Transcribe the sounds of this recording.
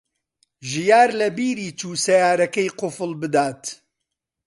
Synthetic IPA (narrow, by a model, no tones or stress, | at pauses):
ʒijaːɾlɐbiːɾiːt͡ʃuːsɐjaːɾɐkɐjqʊfɨlbɨd̪aːt̪